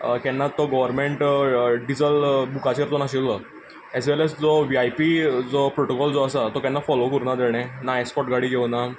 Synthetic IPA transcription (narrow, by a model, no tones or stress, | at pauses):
kɛnːat̪ːɔɡɔʋəɾmẽɳʈɖid͡zəlbukat͡ɕəɾt̪ɔnaɕilːə | ɛzʋeləsd͡zɔʋiajpid͡zɔpɾoʈokɔld͡zɔəsat̪ɔkɛ̃nːafɔlokəɾunad̪eɽ̃ɛ̃naespɔʈɡaɽiːɡʱewna